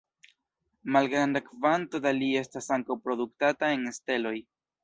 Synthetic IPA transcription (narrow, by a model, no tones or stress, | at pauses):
malɡɾandakvanto̞dalie̞stasaŋkawpɾo̞duk̚tatae̞neste̞lo̞j